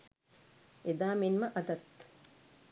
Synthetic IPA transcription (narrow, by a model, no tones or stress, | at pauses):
ed̪aːminmɐʔɐd̪ɐt̪